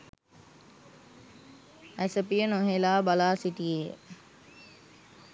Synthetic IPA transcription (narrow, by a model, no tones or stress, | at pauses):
æsəpijənoɦelaːbalaːsiʈijḛ